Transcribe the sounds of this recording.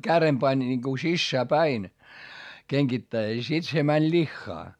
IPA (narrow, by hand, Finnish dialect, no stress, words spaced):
kærem pɑnʲ nʲiŋku sisːæː pæin keŋɡ̊itːæis sit se mænʲ lʲixːɑː